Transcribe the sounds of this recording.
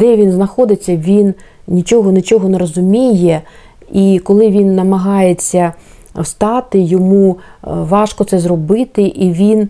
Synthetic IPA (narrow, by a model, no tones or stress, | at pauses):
d̪ɛʋʲinznɐxɔd̪ɪt͡sʲːɐʋʲin | nʲit͡ʃʲɔɦɔnɪt͡ʃɔɦɔneɾɔzʊmʲijɛ | ikɔlˠɪʋʲinːɐmɐɦɑjet͡sʲːɐ | wst̪ɑt̪ɪjɔmuʋɑʃkɔt̪sɛzrɔbɪt̪ɪʔiʋʲin